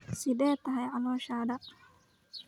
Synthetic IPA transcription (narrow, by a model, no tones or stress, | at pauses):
sɪd̪ɛːt̪ʰːɐɦɛjʕɐlɔːʃaːd̪ɐ